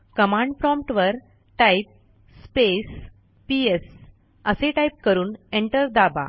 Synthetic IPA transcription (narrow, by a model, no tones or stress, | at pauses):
kəmãɳɖfɾɔ̃mpʈʋəɾ | ʈajp̚ | spes | pies | əseʈaip̚kəɾuːneɳʈəɾd̪aba̰